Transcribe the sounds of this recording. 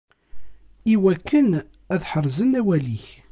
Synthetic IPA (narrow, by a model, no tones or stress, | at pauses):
iwækːən | æðħəɾˤzənæwæliç